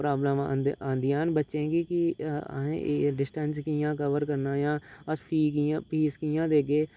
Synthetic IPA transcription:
pɾaːbləmaãːnd̪ɪjaːnbətːʃẽːɡikḭɦḛ̃ɖɪsʈɛ̃nskijãːkəʋəɾkəɾnaːjãːəspʰiːk̬ijãːpiːskijãːd̪eːɡeː

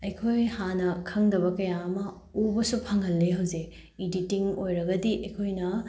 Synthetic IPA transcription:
ɐjkʰojhanɐkʰɐŋdɐbɐkɐjaɐmɐ | obɐsupʰɐŋɐlːeɦɐwze | iditiŋojɾɐɡɐdiʔɐjkʰojnɐ

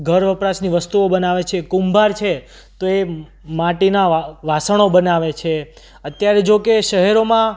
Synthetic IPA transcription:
ɡʱəɾʋəpɾasniʋəst̪uobənaʋet͡ʃʰekũmbʱaɾt͡ʃʰe | t̪oe | maʈinaʋasəɳ̃obənaʋet͡ʃʰe | ət̪jaɾed͡ʒokeʃəɦɛɾomã

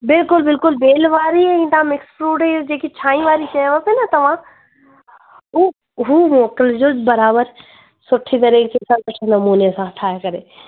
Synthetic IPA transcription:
bɪlkʊlbɪlkʊlbeːlʋaːɾiɛɪ̃t̪ãmɪkspɾuːɖed͡ʒeːkit͡ʃʰãːĩʋaːɾiʃɐjʋəpenɐt̪ɐʋ̤ã | u | ɦuːmoːkəld͡ʒoːbɐɾaːbəɾ | sʊʈʰːit̪̬ɐɾiːkt͡ʃesɐɾʊt͡ʃʰnɐmuːnesãɦɐʈʰaːjekɐɾeː

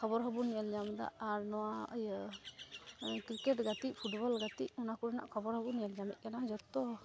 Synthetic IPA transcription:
kʰɔbɔɾɦɔbunijəld͡ʒamd̪a̰ʔaɾnɔwaj | kɾikɛʈɡat̪iʔpʰuʈbɔlɡat̪iʔunakuɽɛna̰ʔkʰɔbɔɾhɔbuniəld͡ʒamɛ̰c̪̚ˀkanad͡ʒɔt̪ːɔ

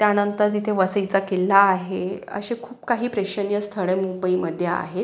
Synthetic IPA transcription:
t̪janənt̪əɾt̪̬it̪ʰeʋəsəit͡sakelaːɦeə̰ɕekʰuːp̚kaɦiːpɾeɕənjəst̪ʰəɭemumbəiːməd̪ʱːjea̰ɦet̪

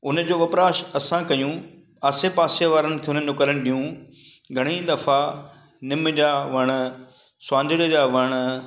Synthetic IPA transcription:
ʊnəd͡ʑoːʋɐpɾaːʃɐsãkɐjũ | aːsepaːsjeʋaːɾənɪ̆kʰeːʊnəɪd͡ʑʊkəɾəɽ̃ɗijũ | ɡʱɐɽ̃id̪ɐfa | nɪmd͡ʑaːʋɐɽ̃ | swãːnd̪ʱɪɽd͡ʑaʋɐɽ̃

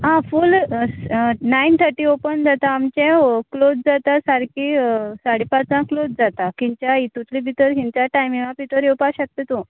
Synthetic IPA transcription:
ɦãful | naint̪ʰəɾʈiopənd͡zat̪aːmt͡ɕɛ̃klod͡zd͡zat̪asaɾkisaɽipat͡sãklod͡zd͡zat̪akiɲt͡ɕait̪ut̪libʱit̪əɾkiɲt͡ɕjaʈajmiʋãpit̪əɾjewpaɕək̚t̪et̪o

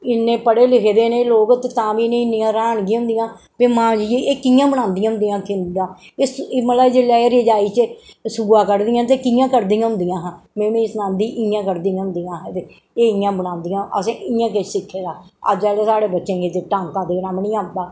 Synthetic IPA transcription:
ɪnːẽːpəɽeːlɪkʰed̪eːnẽːloːɡt̪et̪ãːʋiːnẽːɪnːɪːãːɾaːɳɡĩːɦʊ̃nd̪ɪjãː | peːmãːd͡ʒiːeeːkijãːbənãːnd̪ɪjãːɦʊnd̪ijãːkɪnd̪ãː | esmələbd͡ʒelaːeɾɪd͡ʒaːiːt͡ʃəsʊɡaːkəɾd̪ɪjãːt̪̬eːkijãːkəɾd̪ĩjãːɦʊ̃nd̪ijãːɦãːmɛ̃ːmẽːɪsnãːnd̪iːʔɪjãːkəɾd̪iːãːɦʊ̃nd̪ijãːɦɛ̃t̪e | eːɪjãːbəɽãːnd̪ijãːʔəsẽːɪãːkesɪkʰːeːd̪aːə̰d͡ʒɛːleːsaːɽeːbətːʃẽːkiːt̪eːʈãːŋkaːd̪eːnãːmnĩːaːnd̪aː

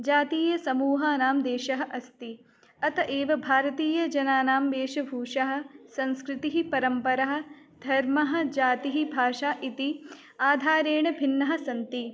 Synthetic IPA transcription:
d͡ʒaːt̪iːjɐsɐmuːɦaːnaːmd̪eːʃɐɦɐ̆ʔɐst̪i | ɐt̪ɐʔeːʋɐbʱaːɾɐt̪iːjɐd͡ʒɐnaːnaːmʋeːʃɐbʱuːʂɐɦɐ̆sɐ̃nskɾɪt̪iɦipɐɾɐmpɐɾɐɦɐ̆ | d̪ʱɐɾmɐɦɐ̆d͡ʒaːt̪iɦibʱaːʃaːʔit̪i | aːd̪ʱaːɾeːɳɐbʱinːɐɦɐ̆sɐnt̪i

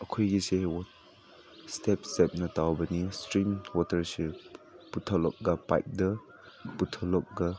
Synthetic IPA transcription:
əkʰujɡisewɔ | stɛp̚sɛp̚nɐtawbɐnistɾimwɔtəɾseputʰalɔk̚ɡapa̰jp̚də | putʰɔlɔk̚ɡa

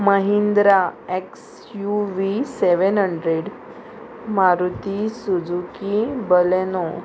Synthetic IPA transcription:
məɦind̪ɾaeks | juʋiseʋənɦəɳɖɾeɽ | maɾut̪isud͡zukibəleno

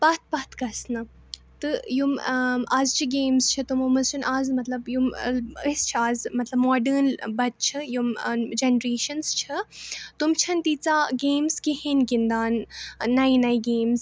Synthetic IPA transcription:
pɐt̪̚ʰpɐt̪ʰkɐsnɐ | t̪ɨjumaːzt͡ʃʰiɡeːmzt͡ʃʰɐt̪umomɐzt͡ʃʰunʔaːzmɐt̪lɐbjuməst͡ʃʰiaːzmɐt̪lɐbmɔːɖəːnbɐt̪̚t͡ʃʰijumd͡ʒenɾeːʃɐnst͡ʃʰɨt̪umt͡ʃʰɐnt̪iːt͡saːɡeːmzkihenɡind̪aːnːɐinɐjɡeːmz

